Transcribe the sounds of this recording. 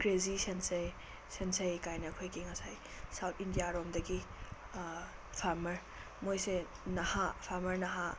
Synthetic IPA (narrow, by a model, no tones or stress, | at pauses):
kɾezisense | sensejkajnɐkʰojkiŋɐsaj | sawtʰindijaɾomdɐɡi | pʰaɾmɐɾ | mojse | nɐhapʰaɾmɐɾnɐɦa